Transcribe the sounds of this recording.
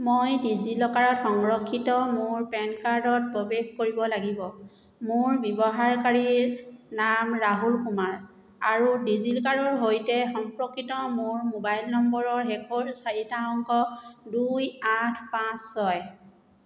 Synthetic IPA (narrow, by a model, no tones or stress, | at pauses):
mojdizilɔkaɹɔtxɔŋɹɔkʰːitɔmʊɹpɛnkaɹdɔt̚pɹobexkoɹibɔlaɡibɔ | mʊɹbjɔbɔɦaɹkaɹiɹnamɹaɦulkumaɹ | aɹudizilkaɹɔɹɦojtɛxɔmpɹɔkːɹitɔmʊɹmobajlnɔmbɔɹɔɹɦɛkʰoɹsaɹitaɔŋkɔdujatʰpãsːɔj